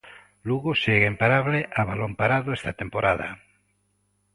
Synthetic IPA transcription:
luɣoseɣeimpaɾaβleʔaβalompaɾaðoest̪at̪empoɾaða̰

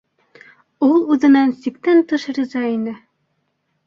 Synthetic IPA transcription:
ulˠʉðɘ̆nænsikt̪ænt̪ɤʃɾʲizɑinɘ

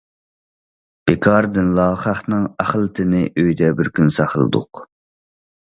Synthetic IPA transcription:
b̥ɪkʰɑɾd̪ɪnlˠɑːχɑχnɨŋæχlˠɨt̪ʰɪnɪʔøjd̪ɛbɪɾkʲʰynsɑχəlˠɨ̰d̪ʊ̰q

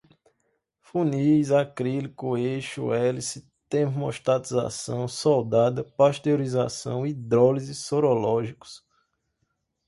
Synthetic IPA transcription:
fũnijzakɾilikuejʃṵɛlisɪ | t̪emo̰ʃt̪at̪iza̰sɐ̰̃w̃sɔwd̪ad̪ɐpaʃt̪eoɾiza̰sɐ̰̃w̃id̪ɾɔlizisoɾɔlɔʒikʊ̥s

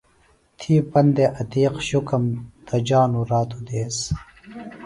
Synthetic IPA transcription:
t̪ʰiːpɐnd̪eʔɐt̪iːqɕukɐmt̪ɐd͡ʑaːnuɾaːt̪ud̪eːs

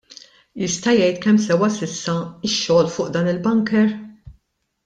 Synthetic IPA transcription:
jɪst̪ɐjɛjt̪kɛmːsɛwɐsɪsːɐɪʃːɔːlfʊːʔd̪ɐːnɪlbɐŋkɛɾ

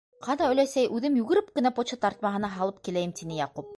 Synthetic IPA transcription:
qʰɑnɑɵ̆læsæjʔʉðɘmjʉɡɘ̆ɾɘp̚kɘ̆næpot͡ɕɤt̪ɑɾt̪̚mɑɦɤ̆nɑɦɑlˠɤp̚kilæjɘmt̪inɘjɑqup̚

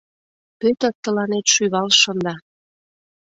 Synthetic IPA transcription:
pøt̪ə̆t̪ːə̆lɑnet̪ʃyβɑlʃə̆nd̪ɑ

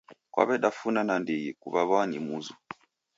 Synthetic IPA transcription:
kwa̰βɛɗafunanandijikṵβaβanimuzu

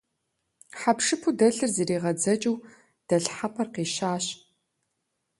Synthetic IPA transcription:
ħapʂɨpʰudɐɬɨrziɾiːʁɐd͡zɐt͡ʃʼɨw | d̥ɐɬħapʰɐrqiːʃaːɕ

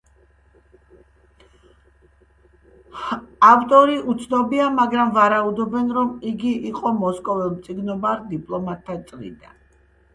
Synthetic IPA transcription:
aft̪ʼɔɾiʔut̪sʰnɔbiamaɡɾamvaɾaud̪ɔbɛnɾɔmiɡiiqʼɔmɔskʼɔvɛlmt̪sʼiɡnɔbaɾd̪ipʼlˠɔmat̪ʰːat̪sʼlḭd̪a̰n

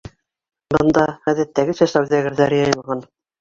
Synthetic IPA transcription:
bɤ̆nd̪ɑχæðæt̪ːæɡɘsæsæwðæɡɘ̆ɾðæɾɘjɑjɤ̆ɤlˠʁɑn

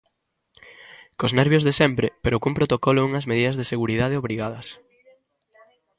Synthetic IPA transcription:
koznɛɾβjozðesɛmpɾɪpeɾokumpɾot̪okɔlouŋɐzmeðiðɐzðeseɣuɾiðað̞eoβɾiɣað̞ɐs

